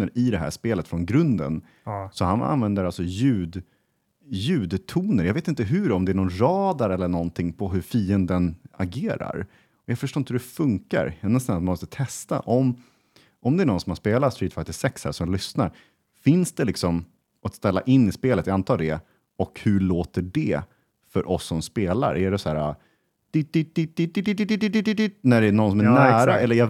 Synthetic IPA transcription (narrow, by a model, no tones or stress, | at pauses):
əɾɪd̪ɛɦæ̰ːʂpeːlət̪fɾɔnɡɾɵnd̪ə̰n | sɔhana̰nvɛnd̪əɾalsɔjʉ̟ːd̪ | jʉ̟ːd̪t̪ʰuːnəɾjaveːt̪ɪnt̪əɦʉɾɔmd̪ɛæɳɔnɾɑːd̪aɾɛlːəɳɔnt̪ʰɪŋpʰɔɦɵɾfiːənd̪ənaɡeːɾa̰ɾ | ɔjɑːfœʂʈoːɪhʉɾɛfɵŋka̰ɾɛnːəst̪anat̪mamɔst̪ət̪ʰɛst̪a̰ʔɔm | ɔmd̪ɛæɳɔnsɔmhaspeːlat̪st̪ɾiːt̪fat̪ɪsɛkshæ̰ʂɔmjlʏsnaɾ | fɪnsd̪ɛlɪksɔm | at̪st̪ɛlːa̰ʔɪnːɪspeːlət̪jaant̪ʰɑːdɖ̪ɛ | ɔkhʉɭoːt̪əɖɛ | fœɾʔɔsːɔmspeːla̰ɾʔæɖɛsæːɾa̰ | d̪̥ɪt̪̚d̪ɪt̪̚d̪ɪt̪̚d̪ɪɪd̪ɪd̪ɪd̪ɪd̪ɪd̪ɪd̪ɪd̪ɪnæɖɛnɔnsɔmænæːɾaɛlːəɾja